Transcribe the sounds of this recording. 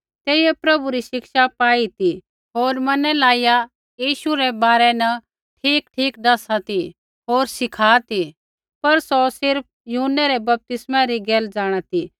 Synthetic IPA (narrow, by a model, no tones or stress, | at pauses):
t̪eːiepɾɐbuɾiʃɪkʃapaːit̪i | ɦoːɾmɐnɛlaːija | jiːʃuɾɛbaːɾɛnɐ | ʈʰiːkʈʰiːkɖɐsat̪i | ɦoːɾsɪkʰaːt̪i | pɐɾsɔsɪɾp̚ʰjʊɦʊnːɛɾɛbɐp̚t̪ɪsmãɾiɡeːld͡ʒaːɽ̃at̪i